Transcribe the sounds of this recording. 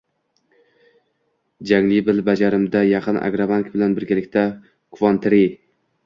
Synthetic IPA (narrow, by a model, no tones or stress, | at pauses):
d͡ʒaŋlɪbɪlbad͡ʒaɾɪmd̪ajɑqʰɨna̰ɡɾabaŋkʲbɪlanbɪɾɡʲalɪkʲt̪ʰa | kʰʊvɒnt̪ʰɪɾi